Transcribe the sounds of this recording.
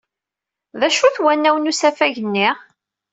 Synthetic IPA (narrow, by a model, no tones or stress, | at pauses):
ðæʃuθwænːæwənusæfæʝənːɪʁ